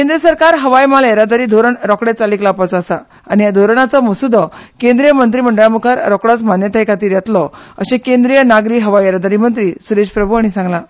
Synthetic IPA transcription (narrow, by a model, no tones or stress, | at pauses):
kend̪ɾəsəɾkaɾɦəʋajmaleɾad̪aɾiːd̪ʱoɾəɳɾɔkɽet͡saliːklapat͡sɔːsa | añiad̪ʱoɾəɳat͡sɔməsud̪ʱɔkẽnd̪ɾijəmənt̪ɾiːməɳɖəɭjãmukʰaɾɾɔkɽat͡smanjət̪ʰajkat̪iːɾjat̪lɔə̰ɕẽkend̪ɾijənaɡɾiɦəʋajeɾad̪aɾimənt̪ɾiːsuɾeɕpɾəbʱuaɽ̃isãŋɡla